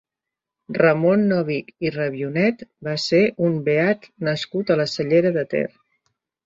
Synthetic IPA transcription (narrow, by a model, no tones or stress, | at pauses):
rəmonːɔβikirəβiunɛt̪baseʔumbeat̪nəskut̪ələsəʎeɾəðət̪ɛ̰r